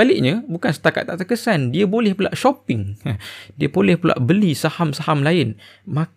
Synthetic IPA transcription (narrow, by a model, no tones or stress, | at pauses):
alɪʔ̚ɲəbukansə̥t̪aka̰t̪ːaʔt̪əkəsandiabolɛhpula̰ʔʃopɪŋ | diəbolɛhpəla̰ʔbəlisahamsahamlaɪnmã